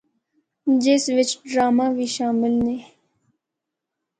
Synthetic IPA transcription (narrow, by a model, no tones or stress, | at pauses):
d͡ʒeːsʋɪt͡ʃɖɾaːmaʋiʃaːmɪlne